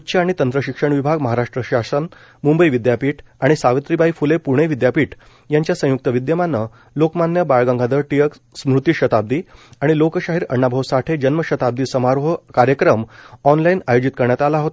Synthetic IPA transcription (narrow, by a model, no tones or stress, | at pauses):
utːɕʰaaɽ̃it̪ənt̪ɾəɕikʂəɳʋibʱaɡməɦaɾaʂʈɾəɕasən | mumbəjʋid̪japiːʈaɽ̃isaʋət̪ɾibʱaifulepuɾɳ̃ɽ̃eʋid̪japiːʈ | jaɲt͡ɕjasə̃juk̚t̪əʋid̪jəmanːə | lokmanjəbaɭɡãŋɡʱad̪əɾʈijək | smɾut̪iɕət̪ab̚d̪iːaɽ̃ilokɕaɦiːɾəɳːabʱəʋsaʈʰed͡ʑənməɕət̪ab̚d̪iːsəmaɾʋəkaɾjəkɾəmɔnlainajod͡ʑit̪̚kəɾɳjat̪alaɦot̪